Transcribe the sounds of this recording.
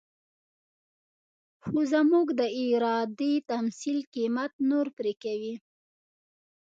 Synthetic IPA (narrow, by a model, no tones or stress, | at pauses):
xozamuɡd̪əiɾɑd̪it̪amsilqimat̪̚noɾpɾekawi